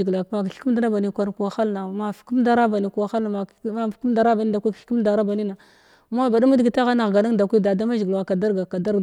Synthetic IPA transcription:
ɡla˨˦ma˨kɬku˦m˦da˦ɾa˦ba˨ni˨kʷa˦ɾku˨wa˨xa˦lna˨ma˨fku˦mda˦ɾa˦ba˨ni˨ku˨wa˨xa˦lna˨mḁ˨˦˨ku˦m˦da˨ɾa˦ba˨ni˦da˨kʷi˦kɬku˦m˦da˨ɾa˦ba˨ni˦na˨ | ma˦ba˨da˦mu˦dɡi˨ta˦ɣa˦na˨ɣɡa˨na˦ŋda˨kʷi˦da˨da˦ma˦ʒi˨ɡwa˨ka˨da˦ɾɡa˨ka˨da˦ɾ

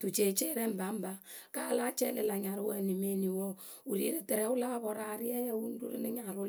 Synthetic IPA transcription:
tu˨t͡ʃe˨t͡ʃe˦ɾɛ˦m˨ba˨˦m˦ba˦ | ka˦la˦t͡ʃɛ˦lɪ˨la˨ɲa˨ɾʊ˦wɛ˦˨ni˨me˦ni˨wɔ˦ | u˨ɾḭ˨˦ɾe˦tɛ˨ɾɛ˨˦ʊ˦la˦bɔ˨ɾa˨ɾɪ˦ɛ˦jɛ˦wu˦n˦dṵ˦ɾḭ˦nɪ˦ɲa˨ɾʊ˦

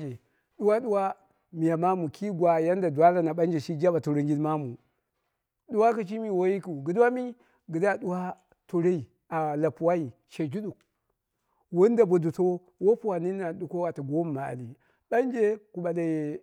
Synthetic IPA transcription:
d͡ʒe˨ | ɗu˦wa˦du˦wa˦ | mi˨ja˨ma˦mu˨ki˦ɡʷwa˨ja˦n˦da˨dwa˦ɾa˨na˨ɓa˦nd͡ʒe˨ʃi˦d͡ʒa˦ba˨tu˨ɾe˦ŋɡi˦dma˦mu˨ | du˦wa˦ki˨t͡ʃi˦mi˨wo˦ji˦ku˨ɡi˨da˦mi˦ | ɡi˨da˦du˦wa˦ | to˨ɾe˦i˨ | a˨la˨pu˨wa˦ji˨ | ʃe˨d͡ʒu˦ɗu˨k̚ | wo˦n˦da˨bo˨du˨to˦ | wo˦pu˦wa˨ni˦na˨du˨ko˦wa˨ta˨ɡo˦m˨ma˨a̰˨li˨ | ɓa˦n˦d͡ʒe˦ku˨ɓa˨da˨je˨

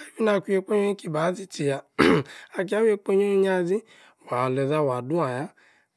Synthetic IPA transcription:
a˦bi˦na˧˨ku˦je˧k͡po˦ɲo˦i˦ki˨˧ba˨˦zi˦ti˨ja˨ | a˧k̬i˦a˦we˧k͡po˦ɲo˦i˦ɲa˦zi˦ | wa˨le˨za˦˨wa˨du˦a˨ja˦

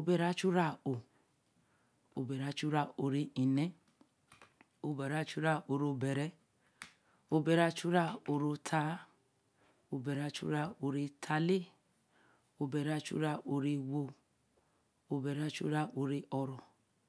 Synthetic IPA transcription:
o˧bɛ˧ɾa˦t͡ʃu˦ɾa˦˨o˨ | o˧bɛ˨ɾa˦t͡ʃu˦ɾa˦˨o˧ɾi˧i˨nɛ˦ | o˧bɛ˨ɾa˦t͡ʃu˦ɾa˦˨ʔo˨ɾo˧bɛ˨ɾɛ˦ | o˧bɛ˧ɾa˧t͡ʃu˦ɾa˦˨o˧ɾo˧tʰa˧˦ | o˧bɛ˨ɾa˧t͡ʃṵ˦ɾa˧˨o˧ɾe˧tʰa˧le˦ | o˧bɛ˧ɾa˧t͡ʃṵ˦ɾa˧˨ʔo˧ɾe˧wo˧ | o˧bɛ˨ɾa˧˦t͡ʃṵ˦ɾa˦˨ʔo˧ɾe˧˦ʔɔ˧ɾɔ˨

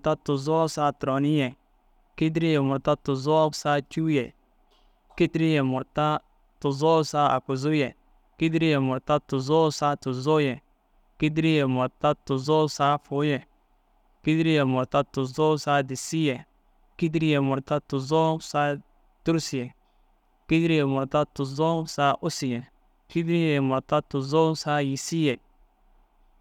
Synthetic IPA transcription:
ta˦tʊ˨zɔ˦sa˦tɾɔ˨ni˦jɛ˨ | ki˦dɾi˦jɛ˨mʊ˨ɾta˦tʊ˨zɔ˦sa˦t͡ʃu˦jɛ˨ | ki˦di˦ɾi˦jɛ˨mʊ˨ta˦ | tʊ˨zɔ˦sa˦a̰˨ku˨zu˦jɛ˨ | ki˦di˦ɾi˦jɛ˨mʊ˨ɾta˦tʊ˨zo˦sa˦tʊ˨zo˦jɛ˨ | ki˦di˦ɾi˦jɛ˨mʊ˨ɾta˦tʊ˨zo˦sa˦fʊ˨˦jɛ˨ | ki˦dɾi˦jɛ˨mɔ˨ta˦tʊ˨zɔ˦sa˦di˨si˦jɛ˨ | ki˦di˦ɾi˦jɛ˨mɔ˨ɾta˦tʊ˨zɔ˦sa˦ | tu˦ɾsi˨jɛ˨ | ki˦di˦ɾi˦jɛ˨mɔ˨ta˦tʊ˨zɔ˦sa˦ʔʊ˦si˨jɛ˨ | ki˦di˦ɾi˦jɛ˨jɛ˨mɔ˨ta˦tʊ˨zɔ˦sa˦ji˨si˦jɛ˨

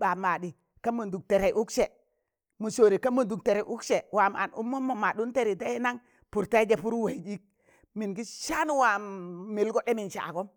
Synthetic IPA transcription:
ba˨ma˨di˨ | ka˦mu˨ndu˨k̚te˨ɾe˨ʔu˦kse˨ | mu˨so˨ɾi˨ka˦mu˨ndu˨k̚te˨ɾe˨ʔu˦kʃe˨wa˨ma̰˨nʔṵ˦mːo˦mːo˨ma˨ɗu˦nte˦ɾi˨da˦i˦na˦ŋ | pu˨ɾta˦i˦d͡ʒe˨pu˦ɾwe˨d͡ʒi˦k̚ | mi˨nɡi˦ʃa˦n˦wa˨mi˨lɡo˦ɗe˦mi˨nt͡ʃa̰˨a̰˨ɡo˦m

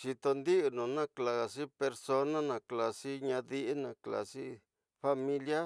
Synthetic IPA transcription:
t͡ʃi˧t̪o˧nd̪i˦ʔu˧nũ˨nã˦kla˨si˦pe˧ɾso˧nã˦nã˨kla˨si˦ɲã˧ði˦ʔi˦nã˨kla̰˨si˦ | fa˧mĩ˧lja˦

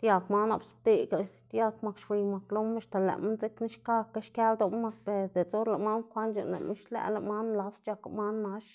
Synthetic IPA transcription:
t̪ja˧kma˦na̰˧˨bsb̚t̪i˧ɡa˨t̪ʲja˦kma˧kʃbʷi˨˧jma˨klo˦ma˧ʃt̪a˨læ̰˨ma˦nt͡se˦kni˦ʃka˦kːa˦ʃkʲja˦ld̪o˧mma˧k̚pe˨ɾd̪e˨t͡so˦ɾla˧˨ma˦nkʷa˦nt͡ʃa̰˧nlḛ˨mʔḭ˦ʃlæ̰˧ʔla̰˨ma˦nla˧˦st͡ʃa˧ka̰˨ma˦nːa˧˦ʃ

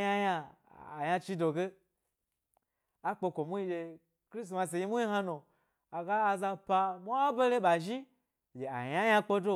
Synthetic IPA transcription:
ja˦ja˧ | a̰˨ja˧t͡ʃi˦do˨ɡe˦ | a˦k͡po˧kʷo˨mu˦i˧˦d͡ʒe˧ | kɾi˦s̬ma˧s̬e˨ji˦mu˦ji˦ɦa˧no˨ | a˨ɡaː˦˧za˧pa˧mu˦a˦be˦le˦ɓa˨ʒi˦ | d͡ʒe˨a̰˨ja˦ja˧k͡po˦do˦

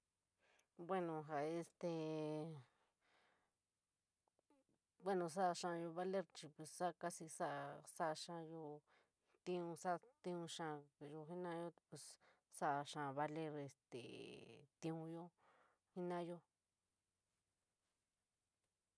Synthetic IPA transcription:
bwe˦nõ˨ɦa˨e˧st̪e˧ | bwe˦nõ˧s̬a˦˧ʃã˧jo˧βa˧le˦ɾt͡ʃi˧pe˨ssa˦˧ka˦si˧sa˦˧sa˦˧ʂã˧jo˧ | t̪ĩ˦˧ũ˧sa˦t̪ĩ˧˦ũ˧ʂã˧jo˧ɦi˦nã˦jo˦pe˨s | sa˦ʔʂã˧˨βa˧le˦ɾe˧st̪ḛ˨t̪ĩ˧ũ˧jo˦ | hi˦nã˦jo˦

